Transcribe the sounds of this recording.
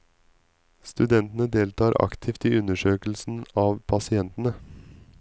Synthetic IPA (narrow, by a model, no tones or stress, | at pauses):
st̪ʉd̪ɛnt̪n̩əd̪eːlt̪ʰɑːɾʔɑ̰kt̪ʰɪːft̪iːʉnəʂøːkl̩sn̩ɑːʋpʰɑsɪɛnt̪n̩ə